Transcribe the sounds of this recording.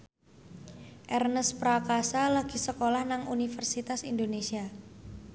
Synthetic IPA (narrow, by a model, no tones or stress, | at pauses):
ʔɛrnəspɾakasalaɡ̥isəkolahnaŋunifərsit̪asindonesia